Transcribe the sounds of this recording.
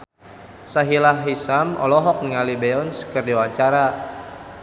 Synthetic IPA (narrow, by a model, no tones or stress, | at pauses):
saɦilaɦisamʔɔ̰lɔɦɔk̚niŋalibɛɔnskərdiwaɲt͡ʃaɾa